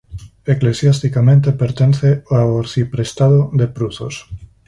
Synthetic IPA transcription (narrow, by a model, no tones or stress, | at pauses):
eklesjast̪ikamẽnt̪epeɾt̪enθeaoɾθipɾest̪aðod̪epɾuθo̰s